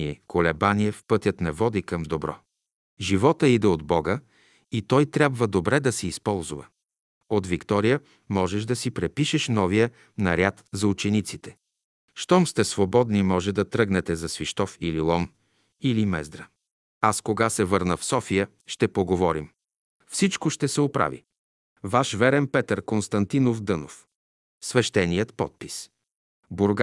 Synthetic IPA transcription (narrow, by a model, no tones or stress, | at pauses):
iɛkʰolɛbanʲiɛfpɤt̪ʲjət̪nɛvɔd̪ikɐmd̪obɾɔ̰ | ʒivɔt̪əid̪ɛod̪bɔɡə | it̪ɔjt̪ɾʲjabvəd̪obɾɛd̪ɐsɛispɔlˠzuvə̰ | ot̪vikt̪ɔɾijə | mɔʒɛʃd̪ɐsipɾɛpiʃɛʃnɔvijə | nɐɾʲjat̪zɐut͡ʃɛnit̪sit̪ɛ̥ | ʃt̪ɔmst̪ɛsvobɔd̪nimɔʒɛd̪ɐt̪ɾɤɡnɛt̪ɛzɐsviʃt̪ɔfililˠɔn | ilimɛzd̪ɾə | askoɡasɛvɤɾnəfsɔfijə | ʃt̪ɛpoɡovɔɾim | fsit͡ʃkoʃt̪ɛsɛopɾa̰vḭ | vaʃvɛɾɛnpɛt̪əɾkonst̪ɐnt̪inofd̪ɤnof | svɛʃt̪ɛnijət̪pɔt̪̚pis | boɾɡ